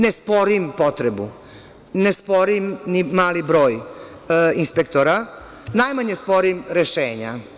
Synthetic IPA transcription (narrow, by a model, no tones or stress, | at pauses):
nespo̞ɾimpo̞t̪ɾebṵ | nespo̞ɾimnimaːlibɾo̞ːj | inspekt̪oɾa | najmaɲespo̞ɾimɾeʃeːɲa̰